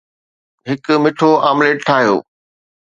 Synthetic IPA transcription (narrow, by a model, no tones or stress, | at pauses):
ɦɪkmɪʈʰoaːmleːʈʈʰaːɦijo̰ː